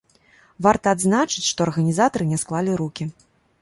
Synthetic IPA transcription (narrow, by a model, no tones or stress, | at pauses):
vart̪ɐːd̪znat͡ʂɨt͡sʲʂt̪ɔɐrɣɐnʲizat̪ɐɾɨnʲɛsklˠalʲiɾukʲi